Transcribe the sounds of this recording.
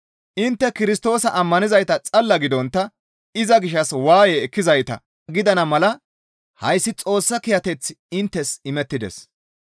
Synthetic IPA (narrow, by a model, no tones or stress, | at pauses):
ʔɪnt̪ːɛkɪɾɪst̪o̞ːsɐʔɐmːɐnɪzɐjt̪ɐt͡sʼɐlːɐɡɪd̪ɔnt̪ːɐ | ɪzɐɡɪʃ̬ːɐswaːjɛɛkːɪzɐjt̪ɐ̰ | ɡɪd̪ɐnɐmɐlɐ | hɐjsːɪt͡sʼo̞ːsːɐkɪjɐt̪ɛt͡sːɪɪnt̪ːɛsɪmɛt̪ːɪd̪ɛ̰s